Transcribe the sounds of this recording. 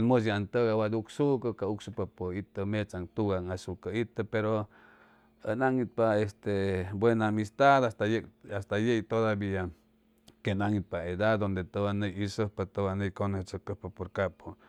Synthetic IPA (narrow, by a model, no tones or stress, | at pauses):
anməs̬jant̪əɡawad̪uksukəkauksupapoit̪əmet͡saŋt̪uɡaŋasukait̪əpeɾo | ənaŋit̪̚paest̪ebwenamist̪ad̪ast̪ajekast̪ajejt̪od̪abia | kenaŋit̪̚paed̪ad̪d̪ond̪et̪obanejisəhpat̪owanəjkonet͡sokəhpapoɾkapo